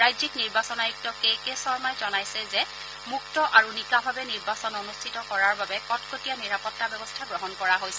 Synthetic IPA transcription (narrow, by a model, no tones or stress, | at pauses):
ɹajzikniɹbasɔnajik̚tɔkejkesɔɹmajzɔnajsɛzɛ | muktɔʔaɹunikabʱabɛniɹbasɔnonustʰitɔkɔɹaɹbabɛkɔtkotijaniɹapɔtːabɛbɔstʰaɡɹɔɦɔnkɔɹaɦojsɛ